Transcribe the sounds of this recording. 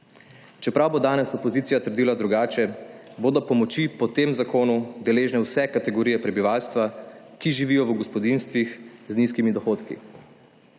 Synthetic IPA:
t͡ʃɛpɾawbod̪aːnɛsɔpɔziːt̪ijat̪əɾd̪iːlad̪ɾuɡaːt͡ʃɛ | boːd̪ɔpɔmɔt͡ʃipɔt̪eːmzakoːnud̪ɛleːʒnɛwsɛkat̪ɛɡɔɾiːjɛpɾɛbiʋaːlst̪ʋa | kiʒiʋiːjɔwɡɔspɔd̪inst̪ʋixzniskimid̪ɔxoːt̪kḭ

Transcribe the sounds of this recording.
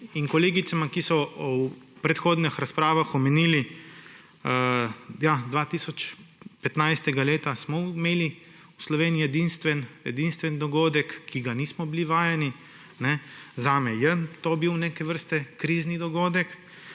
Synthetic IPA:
inkɔleːɡit̪samakisɔ | pɾɛt̪xoːd̪nixɾaspɾaːʋaxɔmɛniːli | jad̪ʋaːt̪iːsɔt͡ʃpɛt̪najst̪ɛɡaleːt̪asmɔmeːli | uslɔʋeːnijijɛd̪inst̪ʋɛnɛ̰d̪inst̪ʋɛnd̪ɔɡoːd̪ɛkʰːiɡaniːsmɔbiliʋaːjɛni | nɛzaːmɛjənt̪obiwneːkɛʋəɾst̪ɛkɾiːznid̪ɔɡoːd̪ɛk

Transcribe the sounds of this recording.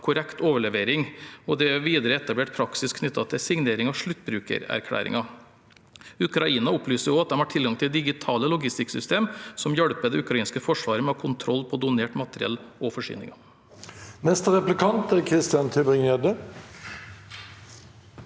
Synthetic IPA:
kʰʊɾɛkt̪oːʋəɭɛʋeːɾɪŋɔd̪ɛʋiːd̪əɾəɛt̪ɑbleːʈ̚pʰɾɑksɪskʰnʏt̪ːɑt̪ʰɪsɪŋneːɾɪŋɑʋʂɭʉt̪ːbɾʉːkə̰ɾæ̰ɾkʰɽæ̰ːɾɪ̰ŋɑ | ʉkɾɑiːnɑʊplyːsəɾjʊɑt̪̚d̪ɛmhɑʈʰɪlɡɑŋt̪ʰɪd̪ɪɡɪt̪ʰɑːləlʊɡɪst̪ɪksʏst̪eːmsɔmjœɽpəd̪ɛʉkɾɑiːnskəfɔʂʋɑːɾəmɛɑkʰʊnt̪ʰɾɔlːpʰɔd̪ʊneːʈmɑt̪əɾɪɛ̰lːɔfɔʂy̰ːnɪ̰ŋɑ | nɛst̪əʁɛplɪkʰɑnt̪æːɾkʰɾɪst̪ɪjɑnt̪ʰybʁɪŋœd̪ə

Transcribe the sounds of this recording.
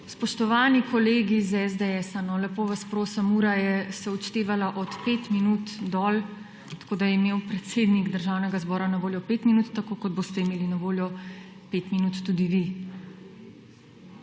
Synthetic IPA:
spɔʃt̪ɔʋaːnikɔleːɡizɛzd̪ɛɛsanɔlɛpoʋaspɾoːsəmuːɾajɛsɛɔt͡ʃt̪eːʋalaʔɔt̪peːt̪minut̪d̪ɔːl | t̪ḁkoːd̪ajɛimeːwpɾɛt̪seːd̪niɡd̪əɾʒawnɛɡazbɔːɾanaʋoːljɔpeːt̪minut̪ːakoːkɔd̪̚boːst̪ɛimeːlinaʋoːljɔ | peːt̪minuːt̪ːud̪iʋi

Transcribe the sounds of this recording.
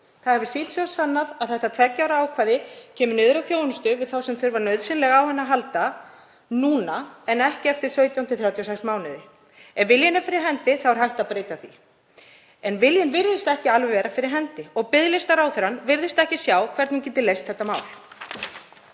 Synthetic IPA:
θaðhɛvʏsɪlsɔasanːaðaðθɛht̪at̪ʰvɛcːawɾaaːwkʰvaːðɪcʰɛːmʏnɪːðʏɾawθjownʏst̪ʏvɪðθawsɛmθʏɾvaɾnœɥðsɪnlɛɣawhɛnːaɦalt̪a | nuːnaɛnɛhcɪaft̪ɪɾ̥sœːɥt̪jawnt̪ʰɪθɾjawt̪jɔsɛjksmaːwnɪðɪ | ɛnvɪljɛnafɪɾɪɾ̥ɦɛnt̪ɪθawɾ̥ɦajht̪aðpɾeːjt̪aθḭ | ɛnvɪljɪnvɪɾðɪst̪aɛhcɪalvɪvɛːɾafɪɾɪɾ̥ɦɛnt̪ɪɔɣpɪðlɪst̪aɾaːwθɛɾanvɪɾðɪst̪aɛhcɪsjaːwkʰvɛɾt̪nɪcɛːt̪ɪlejst̪̚θɛht̪ːamaːwl̥

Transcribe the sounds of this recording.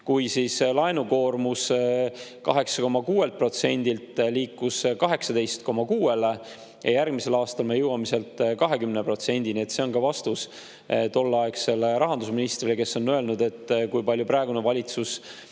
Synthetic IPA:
kujsislɑenuko̞ːrmus | kɑɦe̞ksɑ̥ko̞mːɑkuːe̞lt̪̚pro̞t̪se̞nʲd̪̥ilt̪ˑliːkːuskɑɦe̞ksɑd̪e̞jst̪ko̞mːɑkuːe̞le̞ | jɑ̰jærɡmise̞lɑːst̪ɑlmejɤwɑmise̞lt̪ˑkɑɦe̞kymnepro̞t̪se̞nʲd̪̥inie̞t̪se̞o̞nkɑvɑst̪us | t̪olːɑekse̞lɾɑɦɑnd̪usminist̪ɾrileke̞sːo̞nːøe̞lnud̪e̞t̪ːˑkujpɑlʲjuprɑeɡunevɑlʲit̪sus

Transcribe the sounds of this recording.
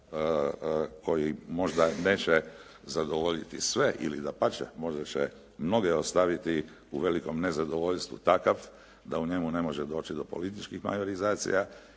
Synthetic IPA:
ko̞jimo̞ʒd̪ane̞ːt͡ɕe | zad̪oʋo̞ʎit̪isʋe̞ʔḭlḭd̪apat͡ʃḛmo̞ʒat͡ɕḛ | mno̞ɡeost̪aʋit̪i | uʋe̞liko̞mne̞zad̪o̞ʋo̞ʎst̪ʋṵt̪akaf | d̪auɲe̞mune̞mo̞ʒed̪o̞ːt͡ʃid̪opo̞lit̪̬it͡ʃkixma̰joɾizaːt̪sḭja

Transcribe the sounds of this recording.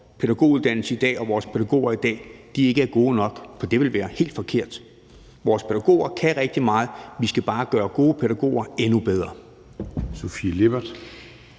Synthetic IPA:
pʰe̝ɾæɡ̥o̝̰ːuðˠd̥æn̰l̩səid̥ɛ̰ːɒ̽ʋɒːspʰe̝ɾ̥æɡ̥o̝̰ːɐid̥ɛ̰ːd̥ie̝ɡ̥əæɐɡ̥o̝ːnɒ̽ɡ̥fɒ̽d̥e̝ʋe̝lʋæːɐhe̝̰ld̥fɒ̽kʰe̝ɐ̰d̥ | ʋɒːspʰeɾ̥æɡ̥o̝̰ːɐkʰæʁeɡ̥̚d̥imɑ̈ːð̩ˠʋisɡ̥æb̥ɑ̈ːɡ̥ɶːɐɡ̥o̝ːəpʰeɾæɡ̥o̝̰ːɐenub̥eð̞ˠʁɐ | sofileb̥ɐd̥

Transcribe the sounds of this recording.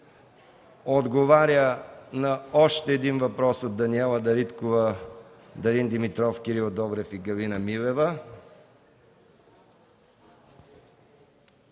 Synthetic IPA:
od̪ɡovaɾʲjənɐɔʃt̪ɛːd̪invɐpɾɔsot̪̚d̪ɐniɛlˠɐd̪ɐɾit̪kovə | d̪ɐɾind̪imit̪ɾɔfkʲiɾiod̪ɔbɾɛfiɡɐlinɐmilɛvə

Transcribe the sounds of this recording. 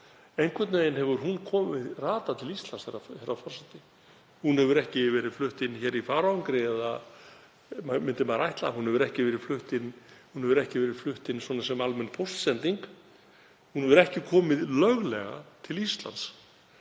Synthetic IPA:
ejŋkʰvɛt̪nʏveːjnɦɛvʏɾ̥ɦunkʰɔːmɪðraːt̪at̪ʰɪlist̪lanshɛrahɛɾafɔrsat̪ɪ | hunhɛvʏɾɛhcɪvɛːɾɪðflʏht̪ɪnːçɛːɾifaːɾaŋkɾɪɛða | mamʏnt̪ɪmaɾajht̪la̰hunhɛvʏɾɛhcɪvɛːɾɪ̥flʏht̪ɪnhunhɛvʏɾɛhcɪvɛːɾɪð̥flʏht̪ɪnswɔːnas̬ɛmalmɛnpʰowst̪sɛnt̪iŋk | hunhɛvʏɾɛhcɪkʰɔːmɪðlœɣlɛ̰ɣa̰t̪ʰɪlist̪la̰nt̪s

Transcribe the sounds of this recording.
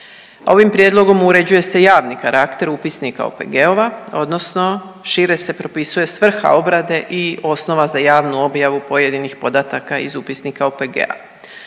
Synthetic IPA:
o̞ʋimpɾjed̪lo̞ɡo̞muɾe̞d͡ʑuje̞se̞jaːʋnikaɾʔakt̪e̞ɾupisnika̰o̰peɡeo̞ʋao̞d̪no̞sno̞ʃiɾe̞se̞pɾo̞pisuje̞sʋr̩xa̰o̞bɾad̪e̞ʔio̞sno̞ʋazajaːʋnuo̞bjaʋupo̞je̞d̪inixpo̞d̪at̪akaḭzupisnikaopeɡḛa̰

